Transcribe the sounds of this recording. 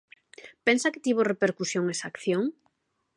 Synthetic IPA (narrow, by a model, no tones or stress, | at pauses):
pensakɪ̥t̪iβ̞orepeɾkusjoŋesa̰kθjoŋ